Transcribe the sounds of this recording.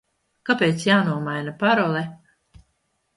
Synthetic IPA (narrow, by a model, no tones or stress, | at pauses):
kapeːt̪sjaːnuɔmajnapaɾɔlˠɛ